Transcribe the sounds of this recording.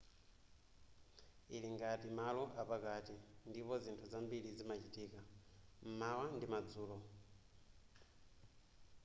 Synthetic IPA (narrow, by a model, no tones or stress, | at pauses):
iliŋɡatimalɔʔapakatindipɔzintʰuzambilizimat͡ʃitiːkam̩mawandimad͡zuːlɔ